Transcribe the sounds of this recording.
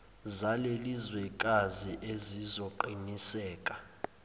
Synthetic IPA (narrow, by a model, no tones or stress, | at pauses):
zalelizwɛkʼaziʔezizoǃinisɛːkʼa